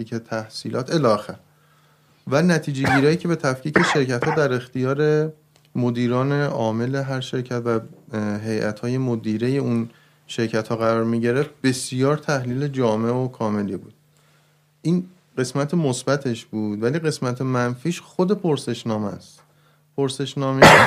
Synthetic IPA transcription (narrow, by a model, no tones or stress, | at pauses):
icet̪ʰæhsiːlʔɒːt̪ʰe̞lɒːæxæɾ | vænæt̪ʰiːd͡ʒe̞ɟiːɾɒːjiːcʰe̞be̞t̪ʰæfcʰiːceʃe̞ɾcæt̪hɒːd̪æɾe̞xt̪ijɒːɾe | mo̞d̪iːɾɒːne̞ʔɒːme̞le̞ɦæɾʃe̞ɾcʰæt̪væɦe̞jʔæ̰t̪hɒːje̞mod̪iːɾeje̞un | ʃe̞ɾcʰæt̪hɒːɣæɾɒːɾmiɟeɾeft̪̚be̞sjɒːɾt̪ʰæhliːle̞d͡ʒɒːmeokʰɒːme̞liːbṵːd̪̥̚ | ʔiːn | ɢe̞smæt̪ʰemosbæt̪ʰe̞ʃbuːd̪væliːɣe̞smæt̪ʰemænfiːʃxod̪e̞pʰoɾse̞ʃnɒːmæ̰st̪ | pʰoɾse̞ʃnɒːme